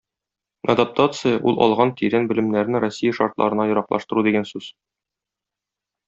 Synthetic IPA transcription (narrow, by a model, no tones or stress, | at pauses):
ɐ̰d̪ap̚t̪at̪sɨjəʔulˠʔɒ̰lˠʁɑnt̪ʰiɾænbɘ̆lɘ̆mnæɾnɘɾosʲːijəʃɑɾt̪lˠɑ̰ɾɤ̆nɑjŏɾɑqlˠɑ̰ʃt̪ɤ̆ɾud̪iɡænsʉz̥